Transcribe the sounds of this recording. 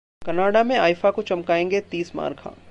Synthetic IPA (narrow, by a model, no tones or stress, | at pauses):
kɐnaːɽamẽaːjfakot͡ʃɐmkaːẽːŋɡet̪iːsma̰ːɾkʰã̰ː